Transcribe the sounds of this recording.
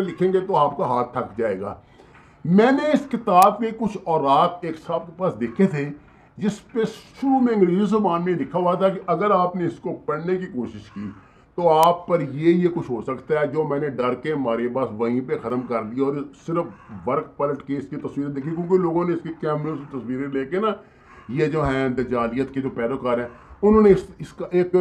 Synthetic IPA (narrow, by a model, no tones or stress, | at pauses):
lɪkʰẽːŋɡet̪oaːp̚kaɦaːt̪ʰːɐkd͡ʒaːeːɡa̰ː | mɛ̃ːneɪskɪt̪aːbmẽkʊt͡ʃʰɔːɾaːt̪eːksaːb̚kepaːsd̪eːkʰet̪ʰe | d͡ʒɪspesʃuːmẽɪ̃ŋɡɾiːzizɐbaːnmẽlɪkʰːaɦʊɦat̪ʰakiʔɐɡəɾaːpneɪskopɐɽnekikoːʃɪʃkiː | t̪oːaːpːəɾjejekʊt͡ʃʰɦoːsəkt̪aɦɛːd͡ʒoːmɛ̃ːneɖɐɾkemaːɾebaːsʋɐɦĩpexɐt̪əmkɐɾliaɔːɾsɪɾəfʰʋəɾk̚pələʈkeɪskit̪ɐsʋiːɾẽd̪eːkʰik̬jõːkeloːɡõneɪskekɛːmɾəsit̪əsʋiːɾeleːkena | jed͡ʒoːɦɛ̃ːd̪ɐd͡ʒaːlɪjət̪ked͡ʒoːpɛːlokaːɾɦɛ̃ːʊnɦõːneɪsɪskaeːk